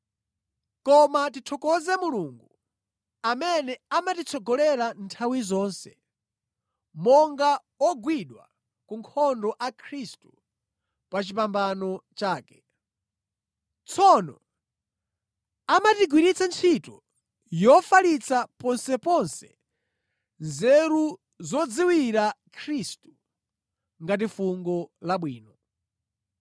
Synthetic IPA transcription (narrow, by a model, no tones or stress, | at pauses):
kɔmatitʰɔkɔzɛmuluːŋɡu | amɛnɛamatit͡sʰɔɡɔlɛɾantʰawizɔːnsɛ | mɔŋɡa | ɔɡwiɗwa̰ | kuŋkʰɔndɔʔakʰɾistu | pat͡ʃip̬ambanɔt͡ʃaːkɛ̥ | t͡sʰɔnɔ̰ | amatiɡwinit͡sant͡sʰitɔ | jɔfalit͡sapɔnsɛpɔnsɛ | nzɛɾu | zɔd͡ziwiɾakʰɾistu | ŋɡat̬ifuŋɡɔlaɓwiːnɔ